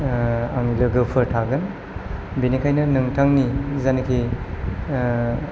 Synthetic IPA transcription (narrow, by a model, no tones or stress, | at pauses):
a̰ŋlɯɡɯpʰɯɾtʰaɡɯn | binikʰajnɐnɯŋtʰaŋnizanikʰi